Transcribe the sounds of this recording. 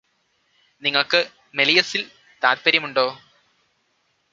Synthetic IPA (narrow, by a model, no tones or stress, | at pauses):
niŋːɐɭkɨ | melijɐsil | t̪aːɾpɐɾjɐmuɳɖo̞ː